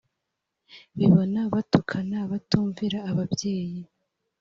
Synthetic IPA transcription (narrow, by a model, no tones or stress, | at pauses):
βiβo̞naβatukʰanaβatuːɱviɾaːβabje̞ːji